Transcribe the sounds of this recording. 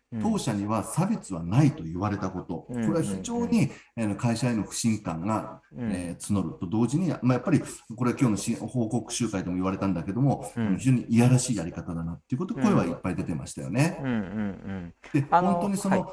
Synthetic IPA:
t̪o̞ːɕaɲ̟iβasabʲe̞t͡sɨβanait̪o̞jɯβaɾe̞t̪ako̞t̪o̞ko̞ɾe̞βaçiʑo̞ːɲ̟iano̞kaiɕae̞no̞ɸɯ̟̥ɕĩŋkãŋɡa | et͡sɨno̞ɾɯ̟t̪o̞d̪o̞ːʑiɲ̟ia̰majapːaɾʲiko̞ɾe̞kʲo̞ːno̞ɕĩho̞ːko̞kɯ̟̥ɕɨːkaid̪e̞mo̞iβaɾe̞t̪ãnd̪ake̞d̪o̞mo̞anoçiʑo̞ːɲ̟iʔːjaɾaɕiːaɾʲikat̪ad̪anat̪ːeiɯ̟ko̞t̪oko̞e̞β̞aipːaid̪e̞t̪ema̰ɕi̥t̪a̰jo̞̰ne̞ | d̥̪ehõnt̪o̞ɲ̟iso̞no

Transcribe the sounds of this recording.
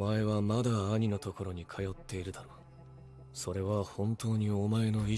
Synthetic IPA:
mae̞βamad̪aːɲ̟ino̞t̪o̞ko̞ɾo̞ɲ̟ikʰajo̞t̪ːe̞iɾɯ̟d̪aɾoː | so̞ɾe̞βahõ̞nt̪o̞ːɲ̟io̞mae̞no̞i

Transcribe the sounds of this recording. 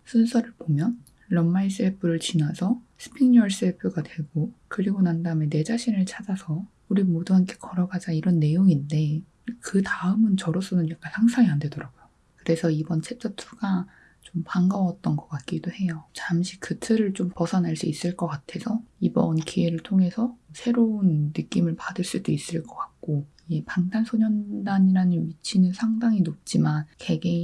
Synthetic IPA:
sʰunsʰʌɾɯɭpomjʌnː | ʌmmais͈epʰɯɾɯɭt͡ɕinasʰʌsʰɯ̥pʰiɲʌɭs͈ɯepʰjoɡadwe̞ɡokɯɾiɡonandame̞ne̞d͡ʑaɕʰinɯɭt͡ɕʰad͡ʑasʰʌ | uɾimoduɦankʰe̞kʌɾʌɡad͡ʑaiɾʌnːe̞joŋinde̞ | kɯtaɯmɯnt͡ɕʌɾos͈ʰʌnɯnjak͈ansʰaŋsʰaŋiande̞dʌɾaɡojo | kɯɾe̞sʰʌibʌnt͡ɕʰet͡ɕ͈ʌtʰu̥ɡ̥a | t͡ɕompaŋɡawʌt̚t͈ʌnɡʌk͈at̚k͈idohe̞jot͡ɕamɕʰikɯtʰɯɾɯɭt͡ɕompʌsʰʌnɦaɭs͈uis͈ɯɭk͈ʌk͈atʰe̞sʰʌibʌnkʰiwe̞ɾɯɭtʰoŋɦe̞sʰʌsʰe̞ɾounːɯk͈imɯɭpadɯɭs͈udois͈ɯɭk͈ʌk͈ak̚k͈o | epaŋdansʰoɲʌndaɲiɾanɯmit͡ɕʰinɯnsʰaŋdaŋinop̚t͡ɕ͈imankeɡe

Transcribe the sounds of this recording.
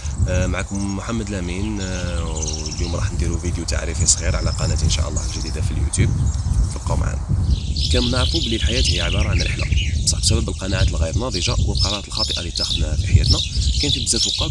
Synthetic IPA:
mʕakʊmːʊħamːəd̪læmin | ljumɾˤɑħnd̪iɾuvid̪jut̪a̰ʕɾifisˤɣiɾʕlæqɑnæt̪ʔənʃa̰ʔəlˤːɑ̰hlʒd̪id̪afiljṵt̪jub̚filqɑwmʕa̰nkæmnaɾfublilħajæt̪jʕəbɑɾˤɑʕanɾə̰ħlæ̰sˤɑħbsæbæbəlqɑnaʕat̪əlɣijɾnɑd̪ˤiʒawəlqɑɾˤɑɾɑt̪əlxɑt̪ˤəʔalit̪ːæxəd̪næfiħjæ̰t̪nækænət̪əd̪zæt̪uqːɑ

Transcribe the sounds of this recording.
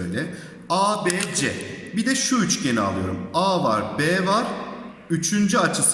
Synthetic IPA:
jlʲɛ | aːbɛːd͡ʒɛ̰bid̪ɛʃuyt͡ʃɟenia̰lˠɯjo̞̰ɾumaːva̰ɾbɛːvaɾ̥ | yt͡ʃʰynd͡ʒyat͡ʃʰɯs

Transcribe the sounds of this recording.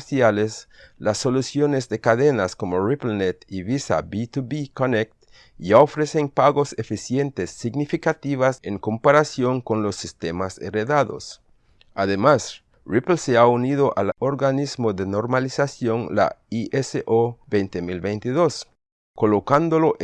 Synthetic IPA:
sjaleslasːolusjonezðekaðenaskomoriplnet̪iβisa̰bit̪uβikonek̚t̪ | jaofɾeseŋpaɣosefisjent̪esːiɡnifikat̪iβaseŋkompaɾasjo̞ŋkonlosːist̪emasḛreðaðo̰s | aðemas | riplseaunið̞oʔaloɾɣanizmoðenoɾmalisasjo̞nla̰iʔeseʔobejnt̪emilβejnt̪iðos | kolokand̪oloʔ

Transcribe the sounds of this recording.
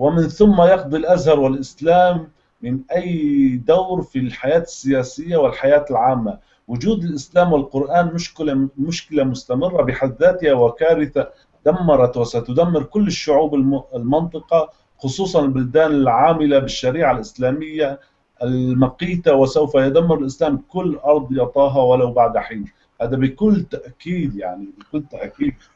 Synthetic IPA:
wɪmɪnθʊmːajɑqd̪ˤilʔazhɑɾˤwɪlʔɪslaːmː | ɪnʔajːd̪awɾfilħajaːt̪ɪ̥sːɪjaːsɪjːawɪlħajaːt̪ɪlʕaːmːa | wʊd͡ʒuːd̪ɪlʔɪslaːmwɪlqʊɾʔaːnmʊʃkɪlamʊʃkɪlamʊst̪amɪrˤːabɪħad̪ːaːt̪ɪhawakaːɾɪθa | d̪̥amːɑɾˤɑt̪wasat̪ʊd̪amːɪɾkʊlːɪʃːʊʕuːbɪɪlmɪnt̪ˤɨqɑ | xʊsˤuːsˤɑnɪlbʊld̪aːnɪlʕaːmɪlabɪʃːaɾiːʕalʔɪslaːmɪjːa | ʔɪlmaqiːt̪awɪsawfajʊd̪amːɪɾɪlʔɪslaːmkʊlːʔɑɾˤd̪ˤjɑʔt̪ˤɑːɦɑwalawbaʕd̪aħiːn | haːd̪abɪkʊlːt̪aʔkiːd̪ja̰ʕnibɪkʊlːt̪aʔkiːd̪̚

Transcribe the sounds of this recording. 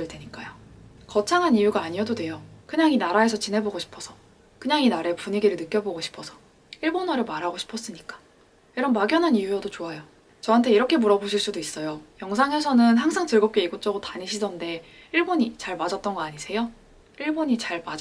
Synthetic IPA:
ɯɭdweɲik͈ajo | kʌt͡ɕʰaŋɦanijuɡaːɲiʌdodwe̞jokɯɲaŋinaɾae̞sʰʌt͡ɕinɦe̞boɡoɕʰi̥pʰʌsʰʌ̥ | kɯɲaŋinaɾe̞puɲiɡiɾɯɭnɯk͈jʌboɡoɕʰi̥pʰʌsʰʌ | iɭbonʌɾɯɭmaɾɦaɡoɕʰi̥pʰʌs͈ɯɲik͈ḁ | iɾʌnmaɡjʌnɦanijujʌdot͡ɕoajo | t͡ɕʌɦantʰe̞iɾʌkʰe̞muɾʌboɕʰiɭs͈udois͈ʌjojʌŋsʰaŋe̞s̬ʰʌnɯnɦaŋs̬ʰaŋtɯɭɡʌp̚k͈e̞iɡot͡ɕ͈ʌɡotaɲiɕʰidʌnde̞ | iɭboɲit͡ɕaɭmad͡ʑʌt̚t͈ʌnɡʌaɲisʰe̞jo | iɭboɲit͡ɕaɭma

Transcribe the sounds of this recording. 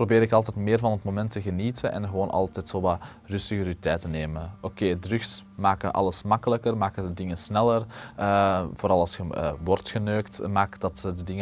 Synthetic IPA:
probeːɾɪkɑlˠtɛtmɪːrvɑnətmomɛntəɣəniːtʰənɛ̰nɣəʋoːnʔɑ̰lˠtɛtsoːʋaː | rʏstəəɾyitɛjtəneːməokeːdrʏxsmaːkənʔɑ̰ləsmɑkələkərmaːkəndədɪŋənsnɛlərəvoːɾɑlˠɑlˠsxəʋɔrtxənøːktmaːkdɑtədədɪŋə

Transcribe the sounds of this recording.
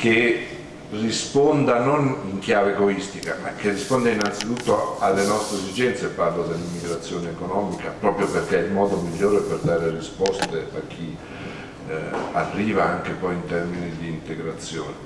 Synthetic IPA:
ke | rːispond̪anoniŋk̟jaːveeɡoist̪ikama̰k̟ːerːispond̪einant̪sit̪ut̪ːoalːenɔst̪ɾezid͡ʒɛnt̪sepːarlod̪elːimːiɡɾat̪sːjoːneːkonɔːmikapɾɔːpɾjoperkeilmɔːd̪omiʎːoːɾeperd̪aːɾerispɔst̪ea̰k̟ːi | arːiːvaaŋkepɔjint̪ɛrminid̪iːnt̪eɡɾat̪sːjoːne

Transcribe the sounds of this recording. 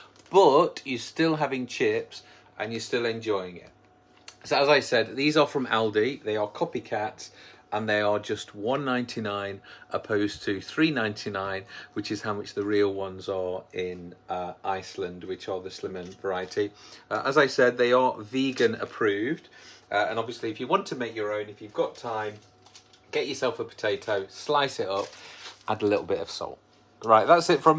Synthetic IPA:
b̥ʌt͡ʃəstɪlˠɦavɪ̃ŋt͡ʃʰɪps | ʔə̰̃njə˞stɪlˠɛ̃nd͡ʒɔɪɪ̃ŋɪ̰t̚ | soʊəzaɪsɛd̪̚ðiːzə˞fɹə̃mɛlˠdiðeɪəkʰɒpikʰatsʔə̃nðeɪə˞d͡ʒʌst̚wʌ̃nːãɪ̃ntʰinãɪ̃nʔəpʰoʊz̥tʰəθɹiːnãɪ̃ntʰinãɪ̃nwɪt͡ʃɪz̥haʊmʌt͡ʃðəɹiːlˠwʌ̃nzə˞ɪ̃nəʔaɪslə̃nd̚wɪt͡ʃə˞ðəslɪ̃mə̃nvəɹaɪətʰiəʔəzaɪsɛd̪̚ðeɪə˞viːɡə̃nə̰pʰɹ̥ʉːvd̥ə̃ñɒbviəsliɪfjəwɒ̃ntʰəmeɪkjəɹõʊ̃nɪfjʉvɡɒtʰãɪ̃m | ɡ̥ɛt͡ʃəsɛlˠfəpʰə̥tʰeɪtʰoʊslaɪsɪtʌp̚ʔə̃nəlɪ̰ɾl̩ˠbɪtə̰v̥sɔ̰lˠt | ɹaɪʔ̚ðatsɪtfɹə̃m

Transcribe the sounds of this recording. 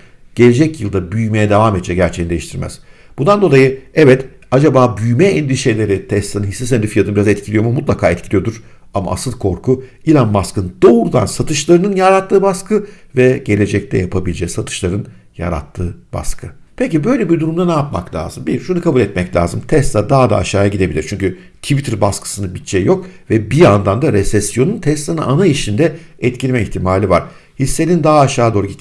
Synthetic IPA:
ɟ̥e̞lʲe̞d͡ʒɛcjɯlˠd̪abyjme̞jɛd̪evaːmɛt̪̚ːt͡ʃʰːɛɟæɾt͡ʃʰejind̪ejiʃt̪ʰiɾmɛ̰z̥ | b̥und̪and̪o̞lˠajɯɛvɛt̪ | ad͡ʒabaːbyjmɛɛnd̪iʃe̞lʲe̞ɾɪt̪ʰɛst̪ʰːanɯnhisːesɛnd̪ifijat̪ɯbiɾazɛt̪̚cʰilʲijo̞mumut̪lˠakʰaːɛt̪cʰilʲijo̞d̪uɾ̥ | ama̰ːsɯlˠkʰo̞ɾkʰu | ilʲanmaskʰɯnd̪̥o̞ɾud̪ansat̪ʰɯʃlˠaɾɯnɯnjaɾat̪ʰːɯːbaskɯvɛɟe̞lʲe̞d͡ʒɛc̚t̪ʰɛ̰japʰabilʲd͡ʒɛsat̪ʰɯ̥ʃlˠaɾɯn | ja̰ɾa̰t̪ʰːɯːb̥a̰skʰɯ | pʰecibø̞jlʲeɛbiɾd̪uɾumd̪anajapma̰klʲa̰ːzɯmbiɾʃunɯkʰabulʲɛt̪mɛclʲa̰ːzɯmt̪ʰɛst̪ad̪aɦad̪a̰ːʃaːjaɟid̪ebilʲiɾt͡ʃʰyɲcy | t̪ʰivit̪ʰiɾbaskʰɯ̥sɯnɯbit͡ʃʰːɛjo̞kvɛbiand̪and̪aɾɛsɛsjo̞nunt̪ʰɛst̪ˠanɯʔanaiʃind̪ɛ | ɛt̪cʰilʲmɛiçt̪ʰimaːlʲivaɾ̥ | hisːe̞nʲind̪aɦaːʃaːd̪o̞ːɾuit̪

